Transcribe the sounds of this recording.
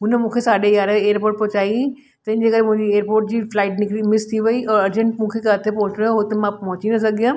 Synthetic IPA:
ɦʊnəmũːkʰesaːɗejaːɾeːɾpoːɾʈ̚pɔɦt͡ɕaːi | t̪ɐ̃ɪ̃d͡ʑeːkəemʊ̃ɦɪ̃ɲd͡ʑieːɾpoːɾʈ̚d͡ʑiːflaːɪʈnɪkɾimɪst̪ʰiʋɐiʔɔːɐɾd͡ʑə̃ɳʈmũːkʰekaːt̪ʰepoɦʊt͡ɕɽoɦot̪emãpɐɦʊt͡ɕinɐs̬ɐɡijã

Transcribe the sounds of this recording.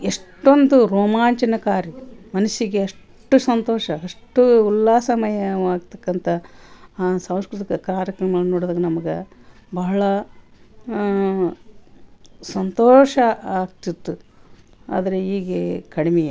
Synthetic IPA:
eʂʈond̪uɾoːmaːɲt͡ʃɐnɐkaːɾimɐnɐsiɡeɐʂ | ʈːusɐnt̪oːʂɐɐʂʈuulːaːsɐmɐjɐʋaːɡ̚t̪ɐkːɐnt̪ʰɐ | sɐ̃w̃skɾut̪ikɐkɾaːɾɐkɐŋɡɐɭnoːɽd̪aːɡɐnɐmɐɡe | bɐɦɐɭɐ | sɐnt̪oːʂɐaːɡ̚t̪id̪ːu | a̰ːd̪ɐɾeiːɡekɐɽimɛjɐ

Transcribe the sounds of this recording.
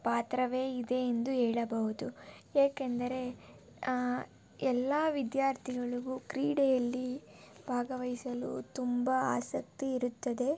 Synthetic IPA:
paːt̪ɾɐʋe̞ːid̪e̞ːnd̪uɦɛːɭɐbɐɦud̪ueːkend̪ɐɾe̞ | ɛlːaːʋid̪jaːɾt̪ʰiɡɐɭuɡukɾiːɽɛjɐlːi | bʱaːɡɐʋɐɦisɐlṵt̪umbɐa̰ːsɐk̚t̪iːɾut̪ːɐd̪e̞

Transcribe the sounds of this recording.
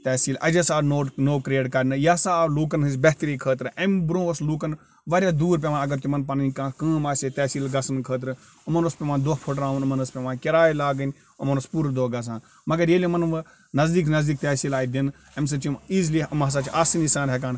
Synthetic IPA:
t̪ɛːsiːlʔɐ̰d͡ʒɐsaːnoːnoːkɾeːʈkɐɾnɨjaːsaːluːk̬ɐnɦɨs̬ʲbeɦt̪ɾiːkʰəːt̪ɾɨɐmbɾũːʋɐsluːkɐn | ʋɐɾjaːd̪uːɾp̬ʲeʋaːnɐɡɐɾt̪imɐnpɐnɐnʲkãːkə̃ːmaːset̪ɛːsiːlɡɐsɐnkʰəːt̪̬ɾɨ | umɐnɐspʲeʋãːd̪oːpʰoʈɾaːʋunɐmɐnɐspʲeʋaːkʲɐɾaːjlaːɡənʲ | ɐmɐnospuːɾd̪oːɡɐs̬ãːn | mɐɡɐɾjeːlʲimɐnʋ | nɐzd̪iːknɐzd̪iːk̚t̪ɛːsiːlaːid̪in | ɐms̬ɨt͡ʃimiːzliɐmɦɐs̬aːt͡ʃʰaːsinisãːɾɦekaːn

